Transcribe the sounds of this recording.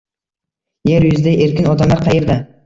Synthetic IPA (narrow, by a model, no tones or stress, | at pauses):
jeɾjʊzɪd̪aʔeɾkʲɪnɒd̪amlˠaɾqʰɑjeɾd̪a